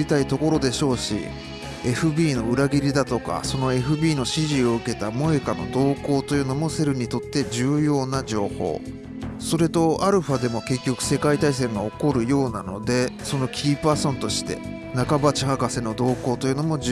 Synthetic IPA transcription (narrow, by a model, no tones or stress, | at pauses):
it̪ait̪o̞ko̞ɾo̞d̪e̞ɕo̞ːɕḭ | e̞ɸɯ̟bʲiːno̞ɯ̟ɾaɡʲiɾʲid̪at̪o̞ka̰so̞no̞e̞ɸɯ̟bʲiːno̞ɕiʑio̞ɯ̟ke̞t̪amo̞e̞kano̞̰d̪o̞ːko̞ːt̪o̞jɯ̟ːno̞mo̞se̞ɾɯ̟ɲ̟it̪o̞t̪ːe̞d͡ʑɨːjo̞ːnad͡ʑo̞ːho̞̰ː | so̞ɾe̞t̪o̞ʔaɾɯ̟ɸad̪e̞mo̞ke̞kʲːo̞kɯ̟̥se̞kait̪ais̬e̞ɯŋaoko̞ɾɯ̟jo̞ːnano̞d̪e̞so̞no̞kʲʰiːpaːsõ̞nt̪o̞ɕi̥t̪e̞̰ | nakabat͡ɕihakase̞no̞d̪o̞ːko̞ːt̪o̞jɯ̟no̞mo̞d͡ʑ